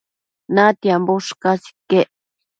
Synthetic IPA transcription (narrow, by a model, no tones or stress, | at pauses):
nãt̪jamboʂkasi̥keʔ